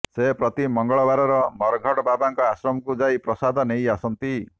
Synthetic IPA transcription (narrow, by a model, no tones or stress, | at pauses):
sepɾɔt̪imɔŋɡɔɭɔbaɾɔɾɔmɔɾɡʱɔɽɔbabaŋkɔasɾɔmɔkud͡ʒajpɾɔsad̪ʱɔnejasɔnt̪i